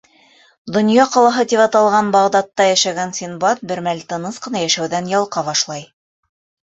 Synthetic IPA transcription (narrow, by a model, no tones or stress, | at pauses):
d̪ŏnjɑqɑlˠɑɦɤt̪iβɑt̪ɑlˠʁɑnbɑʁd̪ɑt̪ːɑjæʃæɡænsʲinbɑt̪̚bɘ̆ɾmælʲt̪ɤ̆nɤsqɤ̆nɑjæʃæwðænjɑlˠqɑβɑʃlˠɑj